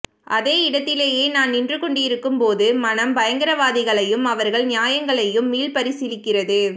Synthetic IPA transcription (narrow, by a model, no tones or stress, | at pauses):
ʔɐðeːɪɽɐt̪ːɪleːjeːnaːnnɪndrɯkɔɳɖɪjɪɾɯkːɯmpoːðɯmɐnɐmbɐjɐŋɡɪɾɐʋaːðɪɣɐɭɐjɯmɐʋɐɾɣɐɭnɪjaːjɐŋɡɐɭɐjɯmːiːlpɐɾɪsɪlɪkːɪrɐðɯ